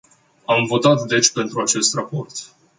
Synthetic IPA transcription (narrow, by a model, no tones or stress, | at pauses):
amvo̞t̪at̪d̪e̞t͡ʃʲpe̞nt̪ɾuat͡ʃe̞st̪rapo̞rt̪